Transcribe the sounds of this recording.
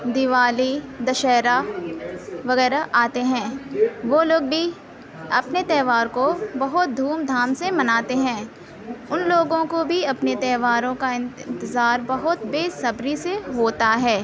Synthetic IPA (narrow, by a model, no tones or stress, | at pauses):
d̪ɪʋaːlid̪ɐʃɛːɾa | ʋɐɣɛːɾaʔaːt̪eɦɛ̃ːʋoːloːɡ̚bʱi | ɐpnet̪ɛːʋaːɾkobɐɦʊt̪̚d̪ʱuːmd̪ʱaːmsemɐnaːt̪eɦɛ̃ː | ʊnloːɡõkobʱiɐpnet̪ɛːʋaːɾõkaɪ̃nnt̪ɪzaːɾbɐɦʊt̪beːsɐbɾiseɦoːt̪aɦɛː